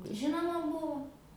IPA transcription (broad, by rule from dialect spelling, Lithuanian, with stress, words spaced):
ˈʒʲɪnoːmɐ ˈbʊʋʊ